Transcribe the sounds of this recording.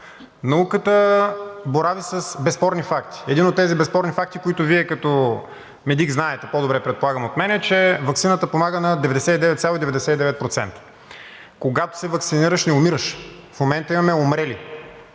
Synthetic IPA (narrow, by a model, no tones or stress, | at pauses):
nɐukət̪ə | boɾavisəsbɛspɔɾnifak̚t̪ʰi̥ɛd̪inot̪ːɛzibɛspɔɾnifak̚t̪ikoit̪ʊviɛkɐt̪ɔ | mɛd̪iɡznaɛt̪ɛpod̪obɾɛpɾɛt̪̚polˠaɡəmot̪mɛnɛt͡ʃɛvɐk̪sinət̪əpomaɡənɐd̪ɛvɛd̪ɛsɛt̪id̪ɛvɛt̪sʲalˠid̪ɛvɛd̪ɛsɛt̪id̪ɛvɛt̪̚pɾot̪sɛ̰nt̪ə̥ | koɡat̪o̥sɛvɐksiniɾəʃnɛomiɾəʃ | fmomɛnt̪əimɐmɛomɾɛli